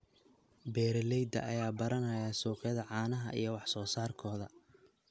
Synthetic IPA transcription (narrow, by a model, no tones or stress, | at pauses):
bɛːɾɛlɛjd̪ɐ̰ʔɐjaːbɐɾɐnɐjaːsuːqɛðɐʕɑːnɐɦɐ̰ʔḭjɞwɑħsɔːsaːrkʰɔːðɐ